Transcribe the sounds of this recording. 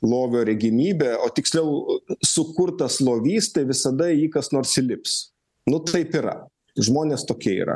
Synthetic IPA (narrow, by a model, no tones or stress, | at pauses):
lˠoːʋʲoːɾʲɛɡʲɪmʲiːbʲeːoːt̪ʲɪksʲlʲɛʊsʊkʊrt̪ɐslˠoːʋʲiːst̪ɐɪʋʲɪsɐd̪ɐiːkɐsnoːɾsɪlʲɪps | nʊt̪ɐɪpiɾɐ̰ | ʒmoːnʲeːst̪oːkʲiɛḭːɾɐ̰